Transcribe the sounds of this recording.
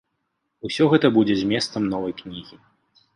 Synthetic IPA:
usʲɔɣɛt̪ɐbud͡zʲɛzʲmʲjɛst̪sɐmnɔvɐjknʲiɣʲi

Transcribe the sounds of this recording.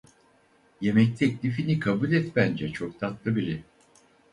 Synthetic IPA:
je̞mɛc̚t̪ʰɛclʲifinikʰabulʲɛt̪bænd͡ʒɛt͡ʃʰo̞k̚t̪ʰat̪lˠɯbiɾɛ

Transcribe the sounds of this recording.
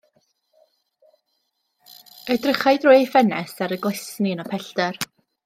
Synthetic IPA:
ədrəχajdrʊɨfɛnɛsaɾəɡlˠɛsninapʰɛɬdɛr

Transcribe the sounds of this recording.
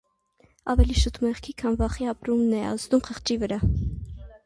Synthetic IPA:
ɑvɛliʃut̪ʰmɛʁkʰikʰɑnvɑχiɑpɾumnɛɑ̰zd̪umχʰəχt͡ʃivəɾɑ

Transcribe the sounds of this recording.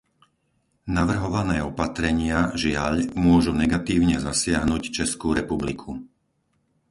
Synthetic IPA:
naʋr̩ɦɔʋanɛːɔpat̪ɾɛɲɪaʒɪaʎmʊɔʒunɛɡat̪iːʊɲɛzasɪaɦnuct͡ʃɛskuɾɛpublikʰu

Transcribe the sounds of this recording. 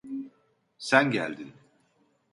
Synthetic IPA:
sænɟæ̰lʲd̪in

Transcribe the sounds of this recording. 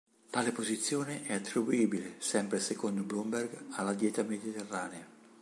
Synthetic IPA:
t̪aːlepozit̪sːjoːneʔɛat̪ːɾibuiːbilesɛmpɾesekond̪oblumberɡalːad̪jɛːt̪amed̪it̪erːaːnea

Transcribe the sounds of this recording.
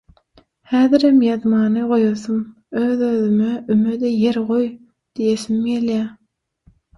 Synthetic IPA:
hæːðiɾemjɑðmɑːnɯʁo̞joθum | øːðøðymeymød̪eje̞ɾʁo̞j | d̪̥ijeθimjeljæ

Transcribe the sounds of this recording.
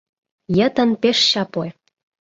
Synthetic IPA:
jə̆t̪ə̆npeʃɕɑpoe

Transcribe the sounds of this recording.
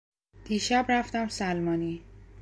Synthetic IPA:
d̪̥iːʃæbræft̪æmsælmɒːniː

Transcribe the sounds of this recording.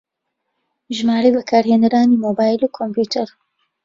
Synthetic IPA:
ʒmaːɾejbɐkʰaːɾheːnəɾaːnimoːbaːjlukʰompuːt̪ʰɐɾ

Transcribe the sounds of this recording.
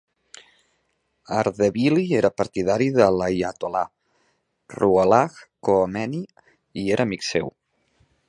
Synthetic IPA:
aɾðeβilieɾəpəɾt̪ið̞aɾiðəlajat̪ola | ruəlaxkoːmɛni | ieɾʔəmiksḛw

